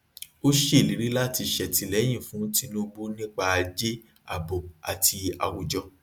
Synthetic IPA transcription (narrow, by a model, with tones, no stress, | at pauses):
o˦ʃe˦˨li˨˦ɾi˦la˦ti˧ʃɛ˨ti˨˧lɛ˨˦j̃ĩ˦˨fũ˨˦ti˦nũ˦˧bu˦nĩ˦k͡pa˧a˧d͡ʒe˦ | a̰˦˨bo˨a̰˨tʰi˧a̰˧wu˨d͡ʒɔ˧